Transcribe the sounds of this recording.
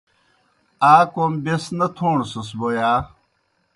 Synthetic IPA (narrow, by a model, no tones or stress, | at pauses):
aːkombesnɐt̪ʰoːɳsɐsbojaː